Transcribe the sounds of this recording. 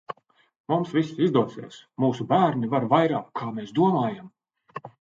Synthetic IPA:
mumsvisizd̪uɔsḭɛsmuːsubæːɾnivaɾvajɾaːkʰːaːmeːsd̪uɔmaːjam

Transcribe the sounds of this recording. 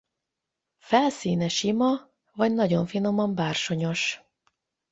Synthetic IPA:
fɛlsiːnɛʃimɒ | vɒɟnɒɟo̞ɱfino̞mɒmbaːrʃo̞ɲo̞ʃ

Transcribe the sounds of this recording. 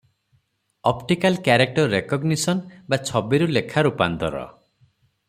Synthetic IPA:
ɔpʈikalkjaɾek̚ʈɔɾɾekɔɡnisɔnbat͡ʃʰɔbiɾulekʰaɾupand̪ɔ̰ɾɔ̰

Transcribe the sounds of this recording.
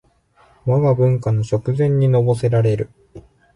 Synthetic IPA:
maβabɯ̟̃ŋkanoɕo̞kɯ̟zẽ̞ɲ̟ːino̞bo̞se̞ɾaɾe̞ɾɯ̟

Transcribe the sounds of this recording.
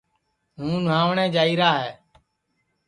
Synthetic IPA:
ɦũːnãːʋɳẽːd͡ʒaːiːɾaːɦɛː

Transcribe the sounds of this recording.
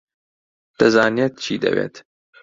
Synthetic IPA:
d̪̥ɐzɑːnijɛt̪̚t͡ʃʰiːd̪ɐ̰wḛːt̪

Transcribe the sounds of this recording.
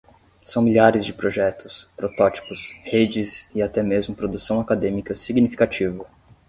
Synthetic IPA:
sɐ̃w̃miʎʲaɾɪzd͡ʒɪpɾoʒɛt̪ʊ̥spɾot̪ɔt͡ʃi̥pʊshed͡ʒɪsiat̪ɛmezmʊpɾod̪usɐ̃w̃akad̪ẽmikɐsiɡnifi̥kat͡ʃivʊ

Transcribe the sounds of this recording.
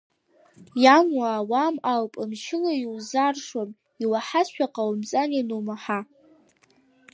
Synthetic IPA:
jamwaːwamalpʼɨmʃʰɪlajiwzarʂwam | iwaħasʃʷᶣaqʼawmzʼaninumaħa

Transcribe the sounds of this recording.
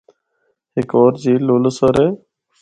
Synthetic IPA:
ɦɪkoːɾd͡ʒiːloːləsəːɾeː

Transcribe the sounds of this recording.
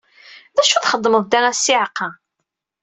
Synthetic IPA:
ðæʃuθχəd̪ˤːməðˤd̪æʁæsːiʕqːɑ

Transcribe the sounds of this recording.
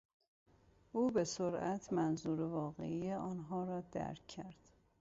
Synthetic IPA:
ʔuːbe̞soɾæ̰t̪ʰmænzuːɾevɒːɣḛijeʔɒːnɦɒːɾɒːd̪̥æ̰ɾkʰːæɾd̪̥

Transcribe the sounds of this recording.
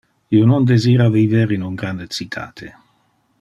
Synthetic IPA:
ionond̪eziːɾaviveɾinuŋɡɾand̪et͡sit̪ʰːa̰ːt̪ʰe

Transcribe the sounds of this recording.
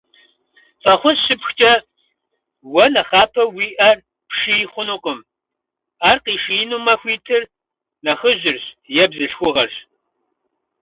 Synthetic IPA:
fʰʼɐχʷʊsɕɪpxt͡ʃʼɐ | wɐnɐχaːpʰɐwiːʔɐr | pʂijχʷʊnuqʼʊm | aːrqiːʃiːnumɐxʷiːtʰɨr | nɐχəʑɪrɕjɛbɮɨɬxʷʊʁɐɬ

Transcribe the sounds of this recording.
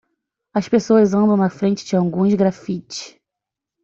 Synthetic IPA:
ɐʃpesoɐzɐ̃mbɾɐ̃w̃ɐfɾẽnt͡ʃɪd͡ʒɪawɡũzɡɾafit͡ʃɪ̥ʃ

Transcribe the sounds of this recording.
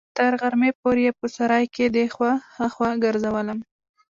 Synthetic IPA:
t̪əɾɣaɾmepoɾjepəsaɾɑjked̪exwahaxwaɡəɾzawələm

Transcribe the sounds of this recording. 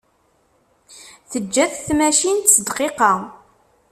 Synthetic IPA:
θəd͡ʒːæθθmæʃint̪səd̪qeqɑ

